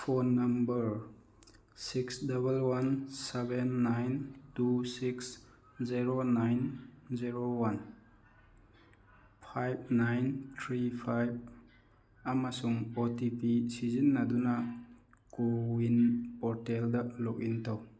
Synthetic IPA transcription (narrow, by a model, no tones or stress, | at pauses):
pʰonːambəɾ | siksdabəlwansebenːajntusiks | ziɾonajnziɾowan | pʰajb̚najntʰɾipʰajb̚ | amasuŋotipisizinːadunakowinpɔɾteldalɔk̚intʰaw